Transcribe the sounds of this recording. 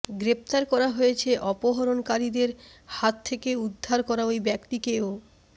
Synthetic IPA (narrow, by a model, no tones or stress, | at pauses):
ɡɾep̚t̪aɾkɔɾaɦojet͡ɕʰeʔɔpoɦoɾonkaɾid̪eɾhat̪ʰːekeud̪ʱːaɾkɔɾaejbɛkʈikeo